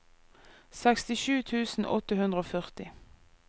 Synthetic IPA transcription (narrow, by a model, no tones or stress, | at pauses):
sɛkst̪ɪʃʉːt̪ʰʉːsn̩ʔɔ̰t̪əhʉnd̪ʁəoːfœʁt̪ɪ